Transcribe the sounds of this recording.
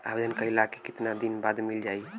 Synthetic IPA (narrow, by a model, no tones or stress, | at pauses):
a̰bed͡ʒənkailakekit̪nad̪inbad̪mild͡ʒai